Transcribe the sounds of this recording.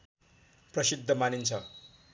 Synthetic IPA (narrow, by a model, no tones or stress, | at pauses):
prʌsid̪ʱːʌmanint͡sʰʌ